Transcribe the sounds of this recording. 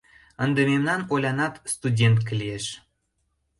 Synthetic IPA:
ənd̪ememnɑnolʲɑnɑt̪st̪udʲent̪kəlʲieʃ

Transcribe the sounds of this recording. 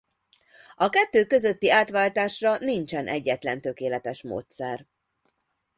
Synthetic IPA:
ɒkɛt̪ːøːkø̞zøt̪ːiaːt̪ʋaːlt̪aːʃrɒnint͡ʃɛnʔɛɟːɛt̪lɛnt̪ø̞keːlɛt̪ɛʃmo̰ːt̪sɛr

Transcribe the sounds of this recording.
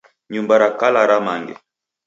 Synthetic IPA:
ɲumbaɾakalaɾamaŋɡɛ̰

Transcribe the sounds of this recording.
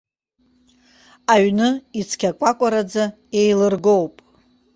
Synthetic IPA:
aɥnɨit͡sʰkʲʰakʷʼakʷʼaɾad͡za | e̞jlɨrɡo̞wpʼ

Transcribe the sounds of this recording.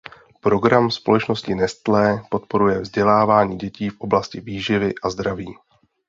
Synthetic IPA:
pɾo̞ɡɾamspo̞lɛt͡ʃno̞scɪnɛst̪lɛːpo̞t̪po̞ɾujɛvzɟɛlaːvaːɲiːɟɛciːfʔo̞blascɪviːʒɪvɪʔazd̪ɾaviː

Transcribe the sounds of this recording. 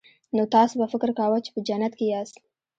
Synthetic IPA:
not̪ɑsbafɪkɾkawat͡ʃe̥pəd͡ʒanat̪kejɑːs

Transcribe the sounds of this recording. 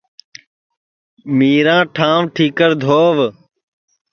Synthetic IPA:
miːɾãːʈʰãːʋʈʰiːkəɾd̪ʱoːʋ

